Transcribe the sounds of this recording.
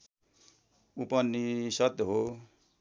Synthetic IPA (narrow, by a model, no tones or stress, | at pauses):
upʌnːisʌt̪ɦo